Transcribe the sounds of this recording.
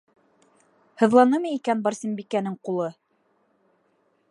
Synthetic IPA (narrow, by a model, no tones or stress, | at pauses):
hɤ̆ðlˠɑnɤmɤikænbɑɾsʲimbikænɘŋqulˠɤ